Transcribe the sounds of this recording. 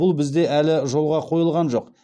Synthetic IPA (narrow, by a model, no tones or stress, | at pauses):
ʊlˠbɪzd̪e̞ʔælɪʒo̞lˠʁɑqʰo̞jəlˠʁɑnʒo̞q